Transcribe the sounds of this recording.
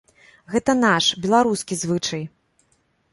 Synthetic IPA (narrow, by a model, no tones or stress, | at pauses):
ɣɛt̪ɐnaʂbʲɛlˠaɾuskʲizvɨt͡ʂɐj